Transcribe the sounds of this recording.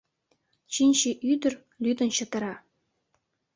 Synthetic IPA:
ɕinʲɕiʔyd̪ɘ̆rʲ | lʲyd̪ɤ̆nɕɤ̆t̪ɤ̆ɾɑ

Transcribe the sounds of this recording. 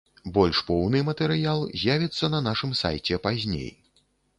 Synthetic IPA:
bɔlʲʂpɔwnɨmɐt̪ɛɾɨjalˠzʲjavʲit̪sːɐnɐnaʂɨmsa̰jt͡sʲɛpazʲnʲḛj

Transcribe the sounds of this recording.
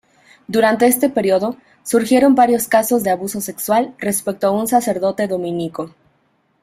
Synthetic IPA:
d̪uɾant̪e̞est̪e̞pe̞ɾjoðo̞ | suɾxje̞ɾo̞mbaɾjo̞skaso̞zðeaβuso̞sekswalre̞spe̞k̚t̪oaunsase̞ɾðo̞t̪e̞ðo̞mĩniko̞

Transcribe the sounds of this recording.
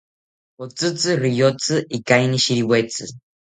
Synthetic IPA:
ot͡sɨt͡sɨrijot͡sɨʔikajniʃiɾiwet͡sɨ

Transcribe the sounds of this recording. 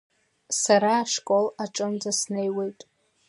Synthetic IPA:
saɾaːʂkʼolaʈ͡ʂʼɨnd͡zasnejwejtʼ

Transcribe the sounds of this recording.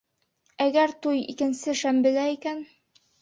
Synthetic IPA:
æɡæɾt̪ujḭkɘ̆nsɘʃæmbɘ̆læikæn

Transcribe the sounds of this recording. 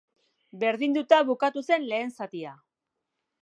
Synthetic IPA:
be̞ɾðind̪ut̪aβukat̪use̞nle̞ːnsat̪ia

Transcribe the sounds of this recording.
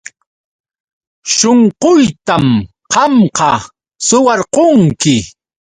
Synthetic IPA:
ʃoɴqoʊjt̪am | qɑmqɑ | sʊwɑɾqoŋkɪ

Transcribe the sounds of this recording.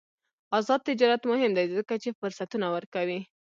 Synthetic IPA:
azɑd̪̚t̪ɪd͡ʒɑɾat̪mʊhɪmd̪ajzəkat͡ʃefʊɾsat̪unawəɾkawi

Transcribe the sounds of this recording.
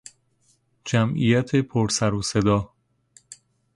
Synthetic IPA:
d͡ʒæmʔḭjæt̪ʰe̞pʰoɾsæɾose̞d̪ɒː

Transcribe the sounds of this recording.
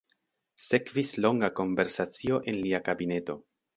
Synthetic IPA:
se̞kvislo̞ŋɡako̞ɱve̞ɾsat͡sio̞ʔe̞nliakabine̞to̞

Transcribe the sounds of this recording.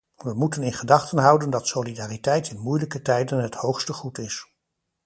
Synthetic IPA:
ʋəmutənɪnχədɑχtənɦʌwdəndɑtsowlidaːritɛjtʰɪnmujləkətɛjdənɦəthowχstəχutɪs

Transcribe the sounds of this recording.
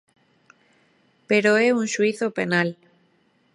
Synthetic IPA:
peɾoeunʃwiθopenal

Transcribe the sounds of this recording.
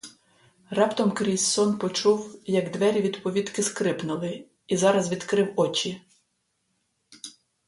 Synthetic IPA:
rɑpt̪ɔmkɾʲisɔnpɔt͡ʃuwjɐɡd̪ʋɛɾʲiʋʲid̪pɔʋʲit̪kɪskɾɪpnʊlˠɪ | izɑɾɐzʋʲid̪kɾɪwɔt͡ʃʲi

